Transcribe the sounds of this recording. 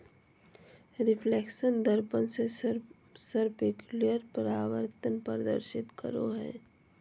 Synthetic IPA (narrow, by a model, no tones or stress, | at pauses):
ɾɪpʰleːkʃənd̪əɾpənse | səɾpekjulijəɾpəɾaːʋəɾt̪ənpəɾd̪ə̰ɾʃɪt̪kə̰ɾo̰ɦɛ̰ː